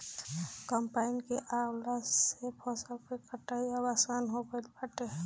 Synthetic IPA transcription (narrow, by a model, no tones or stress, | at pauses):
kəmpaɪnkeʔalasepʰɔsəlpekəʈːaiawasanɦobəlbəʈeɦɛ